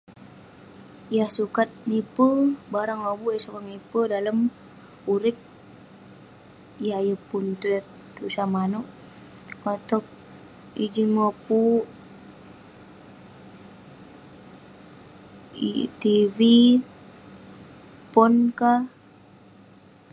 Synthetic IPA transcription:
jahsukat̪̚nipəbaɾaŋabuʔjasakaŋnipədaləm | uɾɪk̚ | jajəpunt̪u | t̪usamanɔʔ | kat̪ɔk̚ | id͡ʒinmapu | t̪ivi | pɔnka

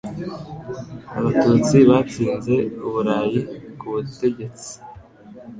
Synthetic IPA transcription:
aβatuːt͡siβat͡siːnze̞uβuɾaːjikuβute̞ɟe̞t͡si̥

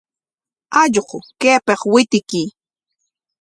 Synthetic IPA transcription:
aʎqʊkeːpɑχwɪt̪ɪki

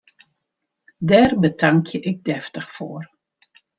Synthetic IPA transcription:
dɛːrbətʰɑŋkʰjəʔɪk̚dɛftəxfoːr

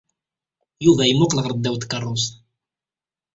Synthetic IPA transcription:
juvæjmʊqləʁəɾˤd̪ːæwt̪kːɑrˤːʊs

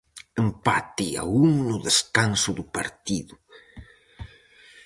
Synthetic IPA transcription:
empat̪ia̰uŋnʊðeskansʊðʊpaɾt̪iðʊ

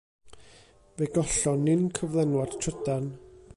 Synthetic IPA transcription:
vɛɡɔɬɔnːɪnkʰəvlˠɛnwar̥tʰrədan

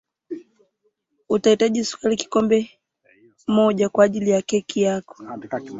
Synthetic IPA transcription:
utaitaʄisu̥kaliki̥kɔmbɛ | mɔʄakwaːʄilijakɛkijakɔ̥

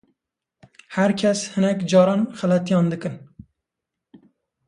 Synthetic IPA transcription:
hæɾkʲʰɛshɨnɛkd͡ʒɑːɾɑnχælɛt̪ijɑnd̪ɨkɨn

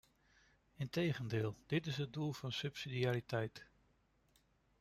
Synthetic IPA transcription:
ɪntejχəndɪːlˠd̥ɪtɪsɦəd̚dulˠv̥ɑnsɵpsidiaːɾitɛjt

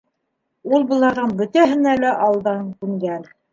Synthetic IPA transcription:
ulˠbŏlˠɑɾðɤnbɵ̆t̪æɦɘ̆nælæʔɑlˠd̪ɑŋkʉŋɡæn

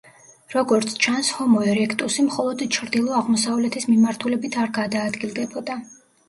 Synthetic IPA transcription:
ɾɔɡɔɾt̪sʰt͡ʃʰanshɔmɔɛɾɛkʰt̪ʼusimχɔlˠɔd̪t͡ʃʰɾd̪ilˠɔaʁmɔsavlɛt̪ʰismimaɾt̪ʰulɛbit̪ʰaɾɡad̪aːd̪ɡilˠd̪ɛbɔd̪a

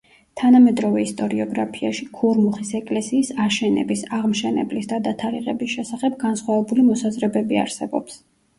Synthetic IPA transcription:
t̪ʰanamɛd̪ɾɔvɛist̪ʼɔɾiɔɡɾapʰiaʃikʰuɾmuχisɛkʼlɛsiːsaʃɛnɛ̰bisaʁmʃɛnɛ̰blisd̪ad̪at̪ʰaɾiʁɛbisʃɛsaχɛb̚ɡansχwavɛbulimɔsazɾɛbɛbia̰ɾsɛbɔps

